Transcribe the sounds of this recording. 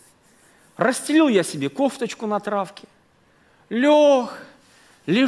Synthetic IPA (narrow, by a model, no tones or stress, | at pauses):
rəsʲtʲɪlʲilˠjasʲɪbʲekoft̪ət͡ɕkʊnɐt̪ɾafkʲɪ | lʲox | lʲɪ